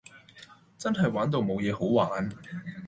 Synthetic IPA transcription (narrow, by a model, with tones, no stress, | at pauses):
t͡sɐ˥nɦɐ˨jwaː˨˥nt̪o˨˧wmo˨˧wjɛː˨˧ho˨˥wwaː˨˥n